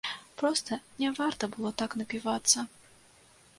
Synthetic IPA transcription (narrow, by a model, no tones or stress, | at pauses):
pɾɔst̪ɐnʲɛvart̪ɐbɨlˠɔt̪aknɐpʲivat̪sːɐ